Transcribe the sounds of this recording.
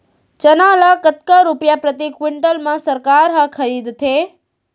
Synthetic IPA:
t͡ʃənalakət̪kaɾupjapɾət̪ikwɪɳʈəlmãsəɾkaɾɦakʰəɾid̪t̪ʰe

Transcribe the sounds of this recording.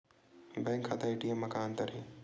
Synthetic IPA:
bɛ̃ːŋkʰːaːt̪aeʈiemːɐkaːnt̪ɐɾĩː

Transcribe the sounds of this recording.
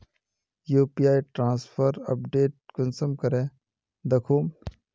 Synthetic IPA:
juːpijaːiʈɾãːnspʰəɾɐp̚ɖeːʈ̚kənsəmkɐɾeː | d̪ɐkʰuːm

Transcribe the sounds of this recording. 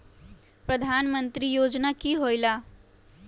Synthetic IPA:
pɾəd̪ʱanmənt̪ɾiːjod͡znakiːɦojla

